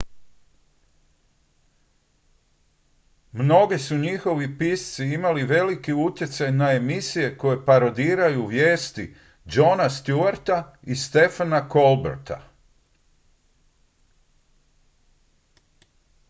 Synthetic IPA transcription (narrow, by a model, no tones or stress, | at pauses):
mno̞ɡesuɲixo̞ʋipist̪siimaliʋe̞likiut̪jet̪sajnae̞misije̞ko̞je̞paɾo̞d̪iːɾajuʋje̞ːst̪i | d͡ʒo̞nast̪juaɾt̪aist̪e̞fanako̞lbḛɾt̪a̰